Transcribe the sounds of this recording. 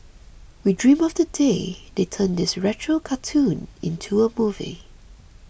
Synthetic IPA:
widɹĩmɔvdədedetʰə̃ndɪsɹɛt͡ʃɹəkʰatʰũnɪ̰̃ntʰuəmuvḭ

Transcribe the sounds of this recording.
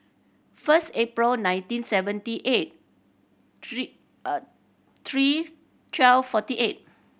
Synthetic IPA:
fəstepɹilnãj̃ntĩnsɛvə̃ntiʔet̚ | t̪ʰɹi | tʰwɛlfɔtiʔet̚

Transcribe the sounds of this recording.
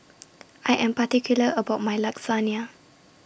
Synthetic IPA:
ʔajʔɛ̃mpatikʰjuləʔəbaʊt̚majlaksania

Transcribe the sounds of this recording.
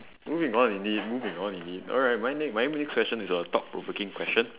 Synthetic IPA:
muvĩŋɔ̃nĩnit̚muvĩŋɔ̃nĩnit̚ɔ̰lɹaɪt̚majnɛk̚maɪmnɛkskwɛst͡ʃə̃nisɔətɔp̚pɹo̰vokɪ̃ŋkʰwɛst͡ʃə̃n

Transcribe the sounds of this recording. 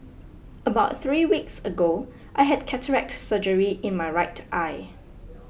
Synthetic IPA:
əbaʊt̚θɹiːwiksəɡo | ʔaɪɦɛdkʰɛtʰəɹɛk̚tsəd͡ʒəɹiʔɪ̃nmaɪɹaɪtʰʔaɪ

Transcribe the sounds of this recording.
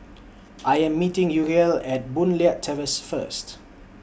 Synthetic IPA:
ʔajɛ̃mːitɪ̃ŋjuɹiəlɛt̚bũnliətʰːɛvəsfə̰st

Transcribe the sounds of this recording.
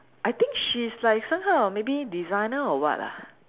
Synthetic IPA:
ʔajt̪ĩŋkʃislaɪksãmɦawmebidizãɪnəɔwɔ̰ta̰

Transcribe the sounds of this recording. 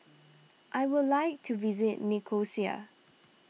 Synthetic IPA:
ʔajwɪdlaɪk̚tʰuvizɪtnikʰosia̰

